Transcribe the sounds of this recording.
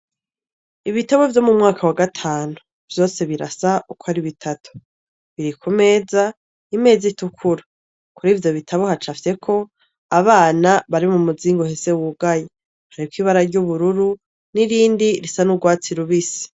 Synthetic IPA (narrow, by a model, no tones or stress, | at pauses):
iβitaβo̞vjo̞mumŋaːkʰawaɡatʰaːnu | v̥jo̞ːse̞βiɾa̰saukohaɾiβitʰatu̥ | βiɾikʰume̞ːza | ime̞ːzitukʰuɾa | kuɾiːvjo̞βitʰaβohat͡ʃafse̞kʰo̞ | aβaːnaβaɾiβmumuziːŋɡohe̞se̞wuɡaje | haɾikwiːβaɾaɾɟuβuɾuɾu | niɾiːndiɾisanuɡwaːt͡siɾuβisi̥